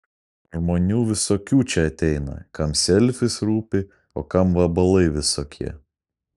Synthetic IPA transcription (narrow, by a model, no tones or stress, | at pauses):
ʒmoːnʲuːʋʲɪsoːkʲuːt͡ʃʲɛɐt̪ʲɛɪnɐ̰kɐmsʲɛlʲfʲɪsɾuːpʲɪ | o̰ːkɐmʋɐbɐlˠɐɪʋʲɪsoːkʲʰiɛ